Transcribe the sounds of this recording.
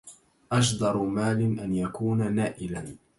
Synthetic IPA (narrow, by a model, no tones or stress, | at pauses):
ʔɑʃd̪ˤɑɾˤmaːlɪnʔanjakuːnanaːʔɪlan